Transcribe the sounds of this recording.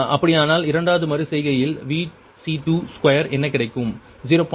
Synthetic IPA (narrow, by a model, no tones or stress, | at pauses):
ʔɐpːɐɽɪjaːnaːlɪɾɐɳɖaːɐðɯmɐɾɯsɛjɣɐjɪlʋiː | siʈuːskwɐjɐɾɛnːɐkɪɽɐɪkːɯm | ziɾoːp